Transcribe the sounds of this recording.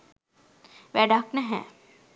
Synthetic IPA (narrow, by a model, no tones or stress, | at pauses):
ʋɛːɖaːkneɦɛ̰̃ː